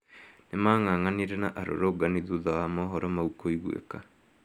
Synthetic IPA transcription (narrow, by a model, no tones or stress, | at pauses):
nemaŋaːŋaniɾenaʔaɾo̰ɾoɡaniðuðawamɔɦɔɾɔmaukoiɣwḛka